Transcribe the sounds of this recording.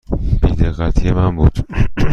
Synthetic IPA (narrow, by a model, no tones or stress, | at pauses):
b̥iːd̪eɣæt̪ʰijemænbuːd̪̥